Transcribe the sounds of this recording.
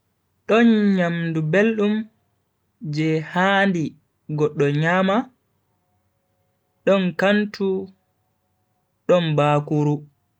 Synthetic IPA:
ɗɔnɲamdubelɗum | d͡ʒɛhaːndi | ɡɔɗːɔɲaːma | ɗɔnkantu | ɗɔnbaːkuɾu

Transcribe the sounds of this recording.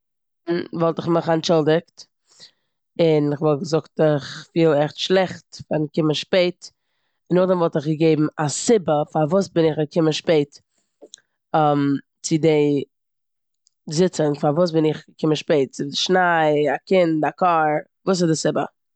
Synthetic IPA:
nvɔlˠtɪχməχant͡ʃɪlˠdɪkt | ɪnɪχvɔlˠɡəzʊktɪχfiːlˠɛχtʃlˠɛχtfaɾɪnkɪməʃpeɪt | ɪnːɔχdɛmvɔlˠtɪχɡəɡeɪbm̩asɪbəfaɾvuːsbɪnɪχɡəkʰɪməʃpeɪt | am | t͡sɪdeɪ | zɪt͡sənfaɾvuːs̬bɪnɪχɡəkʰɪmənʃpeɪt̚t͡sɪɪʃnaɪakɪntakaːɾ | vuːs̬ɪzdɪsɪbə̰

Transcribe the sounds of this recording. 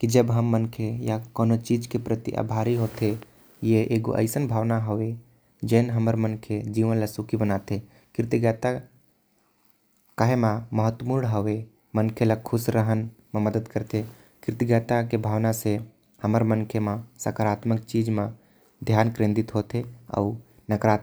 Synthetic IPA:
kid͡ʒəbɦəmːənkʰejakɔːnot͡ʃiːd͡ʒkepɾət̪ḭʔa̰bʱaːɾiɦoːt̪e | jeʔeɡo̰ʔə̰ɪsənbʱaːʋnaɦoʋe | d͡ʒɛːnɦəməɾmənkʰed͡ʒiːʋənləsukibənaːt̪e | kɪɾt̪iɡɛt̪a | kaɦemãməɦət̪ːmuɾɳɦəʋe | mənkʰeləkʰusɾəɦənmeməd̪əd̪kəɾt̪ʰe | kɪɾt̪iɡɛt̪akebʱaːʋnase | həməɾmənkʰemasə̰kəɾaːt̪mək̚t͡ʃid͡ʒme | d̪ʱjaːnkɾẽnd̪it̪ɦot̪eə̰u | nəkɾaːt̪

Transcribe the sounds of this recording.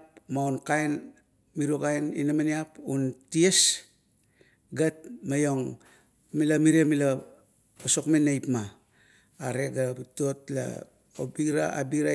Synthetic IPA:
pmaonkajn | miɾuokajninamaniapunties | ɡat̚majo̞ŋ | milamiɾiamila | oso̞kmenːajpmaː | ɾe̞ɡapito̞tla̰ | obiɾa̰a̰biɾa

